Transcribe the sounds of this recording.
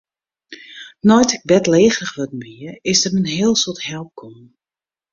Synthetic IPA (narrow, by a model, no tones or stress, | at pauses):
nɔjtɪk̚bɛtleːɣrəxʋɔtmiəɪsdəmənɦɪəlˠsothɛlˠp̚kʰomn